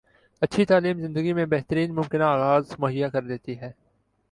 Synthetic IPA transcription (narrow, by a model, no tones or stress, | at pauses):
ɐtːʃʰit̪aːliːmzɪ̃nd̪əɡimẽbɛɦt̪əɾiːnmʊ̃mkɪnaaːɣaːzmʊɦɪjːakɐɾd̪eːt̪iɦɛː